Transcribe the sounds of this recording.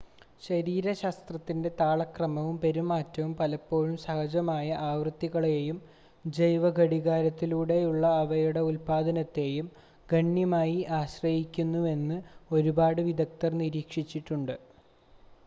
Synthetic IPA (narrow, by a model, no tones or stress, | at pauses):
ɕɐɾiːɾɐɕaːst̪rɐt̪ːinde̞t̪aːɭɐkrɐmɐʋumpe̞ɾumaːtːɐʋumpɐlɐpːo̞ːɻumsɐhɐd͡ʑɐmaːjɐʔaːʋrɨt̪ːiɣɐɭeːjum | d͡ʑɐjʋɐɡʱɐɽiɣaːɾɐt̪ːiluːɽe̞juɭːɐːʋɐjuɽe̞ulpaːd̪ʱɐnɐt̪ːe̞ːjum | ɡʱɐɳːjɐmaːjiʔaːɕrɐjikʲːunːue̞nːɨo̞ɾubaːɽɨʋid̪ɐk̚t̪ɐrniɾiːkʂit͡ɕːiʈːuɳɖɨ